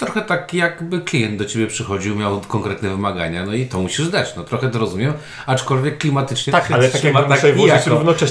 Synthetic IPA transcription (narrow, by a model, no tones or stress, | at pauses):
t̪ɾɔxɛt̪akjakbɘklʲijɛnd̪̚d̪ɔt͡ɕebʲjɛpʂɘxɔd͡ʑiwmʲjawkɔŋkɾɛt̪nɛvɘmaɡa̰ɲanɔit̪ɔmuɕiʐd̪at͡ɕnɔt̪ɾɔxɛt̪ɔɾɔzumʲjɛm | at͡ʂkɔlvʲjɛkːlʲimat̪ɘt͡ʂɲɛt̪akkalɛt̪akʲamaavɾuvnɔt͡ʂɛ